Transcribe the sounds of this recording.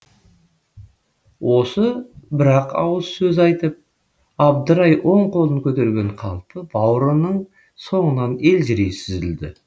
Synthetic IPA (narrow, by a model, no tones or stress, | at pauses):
wo̞səbɪɾɑqɑ̰wəlˠsɵzɑjt̪əp̚ | ɑb̚d̪əɾɑjwʔo̞ɴqʰo̞lˠəŋkʲʰɵt̪e̞ɾɡʲe̞ɴqʰɑlˠpəbɑwɾənəɴ | so̞ɴənɑne̞lʒɪɾejsɪzɪld̪ɪ̰